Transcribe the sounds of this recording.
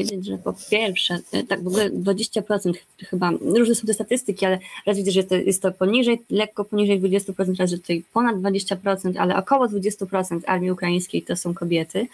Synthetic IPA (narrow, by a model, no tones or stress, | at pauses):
vjed͡ʑed͡ʑʐɛpɔpʲjɛɾfʂɛ̰t̪aɡvɔɡulɛd̪vad͡ʑeɕt͡ɕapɾɔt̪sɛnt̪x | xɘbaɾuʐnɛsɔ̃w̃t̪ɛst̪at̪ɘst̪ɘkʲialɛɾazʲjvʲid̪ɛʐjɛt̪ːɔjʔɛ̰st̪ːɔpɔɲiʐɛjlɛkːɔpɔɲiʐɛjd̪vud͡ʑest̪upɾɔt̪sɛnt̪ɾazɛt̪u̥t̪ajpɔnad̪d̪vad͡ʑeɕt͡ɕapɾɔt̪sɛnt̪a̰lɛ̰ʔɔ̰kɔwɔd̪vud͡ʑest̪upɾɔt̪sɛnt̪a̰ɾmʲjiukɾajij̃skʲejt̪ɔsɔ̃w̃kɔbʲjɛt̪ɘ